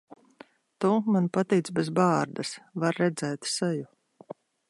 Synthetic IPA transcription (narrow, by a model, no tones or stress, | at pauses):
t̪umanpat̪iːt̪sbɛzbaːɾd̪asvaɾːɛd̪zɛːt̪sɛju